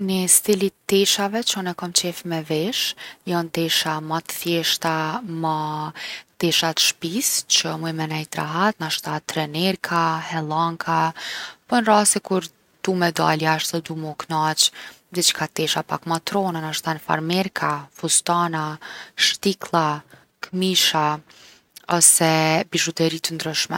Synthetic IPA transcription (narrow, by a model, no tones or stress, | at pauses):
nəst̪ilit̪ːɛʃavɛt͡ʃɔnɛkɔmt͡ɕɛfmɛvɛʃjɔnt̪ɛʃamat̪ə̥θjɛʃt̪ama | t̪ɛʃat̪ʃpist͡ʃəmuɛmɛnɛjt̪ɾa̰ɦat̪naʃt̪at̪ɾɛnɛɾkʰahɛlˠaŋkapɔnɾasɛkuɾ | t̪umɛd̪a̰ljaʃt̪ɔd̪umuknat͡ʃ | d̪ɛt͡ʃə̥kʰat̪ɛʃapakmat̪ɾɔnanaʃt̪anfa̰ɾmɛɾkʰafust̪anaʃt̪iklˠa | kmiʃa | ɔsɛbiʒut̪ɛɾit̪ənd̪ɾəʃmɛ̰